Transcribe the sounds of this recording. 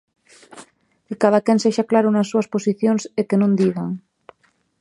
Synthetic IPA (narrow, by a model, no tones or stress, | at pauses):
kekaðakenseʃaklaɾonasːuasposiθjonsekenõnd̪iɣaŋ